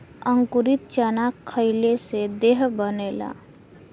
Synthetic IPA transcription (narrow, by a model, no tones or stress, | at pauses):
əŋkuɾit̪̚t͡ʃənakʰːəɪlesed̪eːɦbəneːla̰